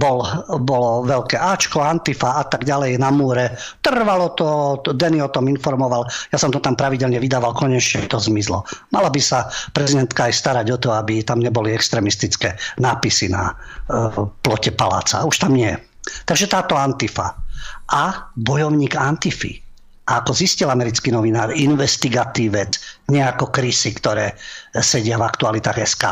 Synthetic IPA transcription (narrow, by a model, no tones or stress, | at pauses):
bɔlbɔlɔʋɛʎkɛːʔaːt͡ʃkɔant̪ifaat̪aɡɟalɛjnamuːɾɛ | t̪r̩ʋalɔt̪ɔd̪ɛniɔt̪ɔminfɔɾmɔʋaljasɔmt̪ɔt̪ampɾaʋiɟɛlɲɛʋid̪aːʋalkɔɲɛt͡ʃɲɛt̪ɔzmizlɔ̰malabisapɾɛzid̪ɛnt̪kaːjst̪aɾaɟɔt̪ɔabit̪amɲɛbɔliɛkst̪ɾɛːmist̪it͡skɛːnaːpisina̰ | plɔcɛpala̰ːt͡sa̰uʃt̪amɲɪɛ | t̪aɡʒɛt̪aːt̪ɔant̪ifaʔabɔjɔʊɲiːɡant̪ifḭ | ʔaakɔziscilamɛɾit͡skinɔʋinaːɾinʋɛst̪iɡat̪iːʋɛt͡sɲɛakɔkɾisikt̪ɔɾɛːsɛɟɪavakt̪ualit̪aːɣɛska̰ː